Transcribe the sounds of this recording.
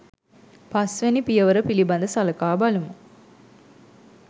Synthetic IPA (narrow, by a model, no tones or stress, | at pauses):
pasʋenipijəʋəɾəpiliband̪əsaləkaːbalumə